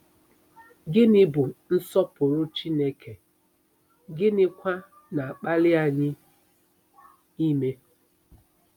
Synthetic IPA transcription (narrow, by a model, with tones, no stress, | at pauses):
ɡɪ˦nɪ˦bʊ˨n̩˦sɔ˦pʊ˨ɾʊ˦t͡ʃi˦ne˦kʰe˨ | ɡɪ˦nɪ˦kʷa˦ | na˨a˨k͡pa˦lɪ˦a˨ɲɪ˦ | i˦me˦